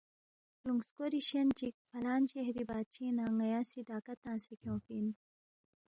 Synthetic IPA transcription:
luŋɡskoɾiɕɐnt͡ʃik̚fɐlaːnt͡ʃieɦɾibaːt͡ɕinãːŋɐjaːsid̪aːkɐt̪ãːnsikʰjõːfin

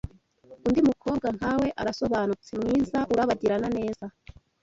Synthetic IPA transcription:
undimukʰo̞ːb̚ɡaŋhawe̞ʔaɾaso̞βaːnut͡simŋiːzaʔuɾaβaɟiɾanane̞ːz̥a

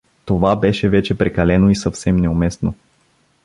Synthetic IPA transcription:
t̪ovabɛʃɛvɛt͡ʃɛpɾɛkɐlɛnoisɐfsɛmnɛʊmɛst̪no

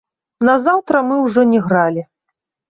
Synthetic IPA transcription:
nɐzawt̪ɾɐmɨwʐɔnʲɛɣɾalʲi

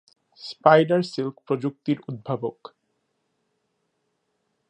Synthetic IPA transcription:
spajɖaɾsilkpɾod͡ʑuk̚t̪iɾud̪̚bʱabok

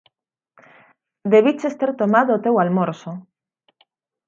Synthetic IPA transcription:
d̪eβit͡ʃest̪eɾt̪omaðoːt̪ewalmoɾso

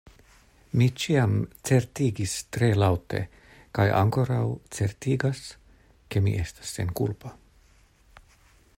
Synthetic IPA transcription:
mit͡ʃiamt͡se̞ɾtiɡistɾe̞lawte̞̰ | kaja̰ŋko̞ɾawt͡se̞ɾtiɡas | ke̞mḭʔe̞stḁsːe̞̰nkulpa

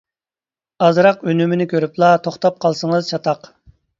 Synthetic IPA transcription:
ɑzɾɑqønymɪnɪkʲʰøɾyplˠɑt̪ʰoχt̪ɑp̚qʰɑlˠsəŋəzt͡ʃʰɑt̪ʰɑq

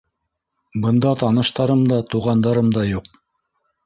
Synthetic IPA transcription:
bɤ̆nd̪ɑt̪ɑnɤ̆ʃt̪ɑɾɤmd̪ɑt̪uʁɑnd̪ɑɾɤmd̪ɑjuq̚

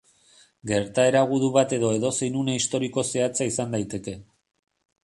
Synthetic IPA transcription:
ɡe̞ɾt̪ae̞ɾaɣ̞uðuβat̪e̞ðo̞e̞ðo̞se̞jnuneist̪o̞ɾiko̞se̞at͡saisand̪ajt̪e̞ke̞

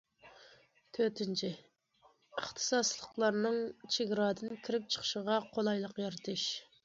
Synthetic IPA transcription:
t̪ʰøt̪ʰɪnt͡ʃʰɪ | əχt̪ʰɨ̥sɑslˠəqlˠɑɾnɨŋt͡ʃʰeɡʲɾɑːd̪ɨnkʲʰiɾɪp̚t͡ʃʰə̥χʰə̥ʃəʁɑqʰolˠɑjlˠəqjɑɾɨt̪ʰɨʃ

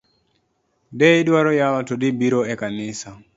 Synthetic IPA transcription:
dɛidwaɾɔjalɔtodibiɾoɛkanɪsa

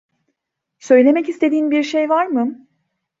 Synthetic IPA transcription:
sø̞jlʲe̞mɛcist̪ʰe̞d̪iːnbiɾʃejvaɾmɯ

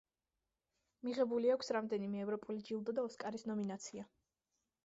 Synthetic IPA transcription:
miʁɛbuliakʷʰsɾamd̪ɛnimɛːvɾɔpʼulid͡ʒilˠd̪ɔd̪aɔskʼaɾisnɔminat̪sʰia

